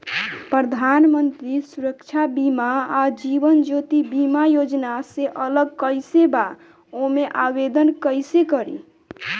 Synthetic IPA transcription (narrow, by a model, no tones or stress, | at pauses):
pɾəd̪ʱanmənt̪ɾisuɾəkt͡ʃʰabimaad͡ʒibənd͡ʒot̪ibimajod͡ʒnaseʔələɡ̚kəɪseba | omeʔabed̪ənkəjsekəɾḭ